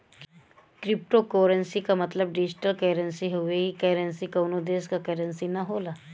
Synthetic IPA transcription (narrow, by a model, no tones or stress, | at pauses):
kɾɪpʈokoːɾə̃nsikamɐt̪ləb̚ɖid͡ʒʈəlkeːɾənsiɦʊʋeikɛɾənsikɐnod̪eːskakəɾənsinɐɦoːlaː